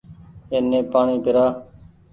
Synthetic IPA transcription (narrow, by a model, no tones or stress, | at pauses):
eːnːẽːpaːɳiːpɪɾaː